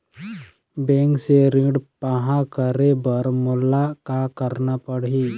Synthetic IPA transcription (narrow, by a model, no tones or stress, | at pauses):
bẽŋkseɾĩɽpaɦãkəɾebəɾmulːakakəɾnapəɽi